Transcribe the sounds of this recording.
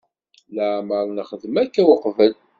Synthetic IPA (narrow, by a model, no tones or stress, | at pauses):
ləʕməɾˤnəχəðmækːæwʊqvəl